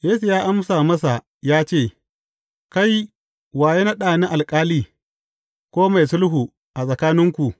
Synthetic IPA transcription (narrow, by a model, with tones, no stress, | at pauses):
jeː˦su˨jaː˦ʔa˦msaː˨mɐ˦s̬a˨ | jaː˦t͡ʃeː˦˨ | ka˦j | waː˨je˦na˦ɗaː˨ni˦ʔa˨lkʼaː˦liː˦ | kʷoː˦ma˨jsʊ˦lɦu˨ | ʔa˨sʼɐ˨kaː˦nɪ˦ŋkʷu˨ʔ